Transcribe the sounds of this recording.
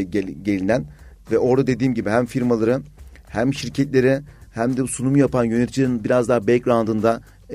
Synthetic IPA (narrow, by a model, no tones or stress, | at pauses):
ɟelʲinænvɛo̞ɾd̪ad̪e̞d̪iːmɟibiɦæmfiɾmalˠaɾɯ | hæmʃiɾcʰɛt̪lʲe̞ɾihæmd̪ɛusunumujapanjønet̪ʰit͡ʃʰilʲeɾinbiɾazd̪aːbɛlʲcɾand̪ɯnd̪a